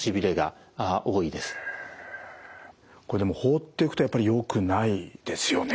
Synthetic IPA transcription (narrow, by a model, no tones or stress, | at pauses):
ɕibʲiɾe̞ɡa̰aʔo̞ːid̪e̞sɨ̥ | ko̞ɾe̞d̪e̞moːho̞ːt̪ːe̞ikɯ̥t̪ojapːaɾijo̞kɯ̟naid̪̥e̞sɨjo̞ne